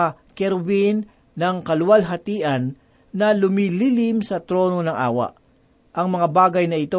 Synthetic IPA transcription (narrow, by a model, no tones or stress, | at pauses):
kɛɾwinː | ɐŋkɐlʊwɐlɦɐt̪iːʔɐnː | ɐlʊmiːliːlɪmsɐt̪ɾo̞ːno̞nɐŋʔa̰ːwɐ̰ʔ | ʔɐŋmɐŋabaːɡɐjnɐɪt̪o